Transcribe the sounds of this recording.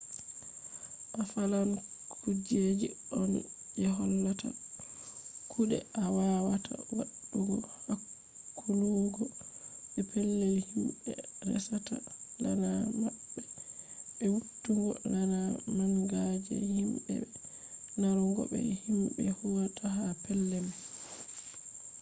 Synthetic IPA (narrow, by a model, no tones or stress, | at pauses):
ʔafalamkud͡ʒed͡ʒiɔn | jɛɦɔlːata̰ | kʰuɗɛ̰awawatʰa̰wa̰ɗːuɡɔhakʰː | uluɡɔɓɛpɛlːɛlhimɓɛɾɛ̰sata̰lanamaɓːɛɓɛwutːuŋɡɔlanamaŋɡad͡ʒɛ̰himɓɛ̰ɓɛ | naɾɔŋɡɔ̰ɓɛ̰himɓɛhuwatʰahapɛlːɛm